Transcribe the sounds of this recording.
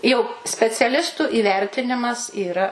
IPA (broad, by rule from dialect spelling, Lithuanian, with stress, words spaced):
jɛʊ sʲpʲɛt͡sʲɛˈlʲɪstʊ iːˈʋʲɛrʲtʲɪnʲɪmɐs iːˈrɐ